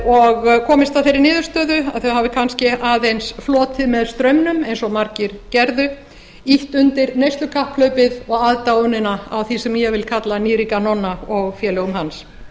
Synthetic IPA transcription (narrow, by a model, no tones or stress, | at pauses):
ɔɣkʰɔːmɪst̪aðθejɾɪɾnɪːðʏɾ̥st̪œːðʏa̰ðθœɥhaːvɪkʰanscɪaːðejnsflɔːt̪ʰɪðmɛðst̪ɾœɥmnʏmɛjnsɔmaɾcɪɾ̥cɛɾðʏ | iht̪ʏnt̪ɪɾnejst̪lʏkʰahpkʰlœɥpɪðɔɣaðt̪aonɪnaawθisɛmjɛvɪlkʰat̪laniːɾikanɔnːaɔɣfjɛːlœɣʏmhans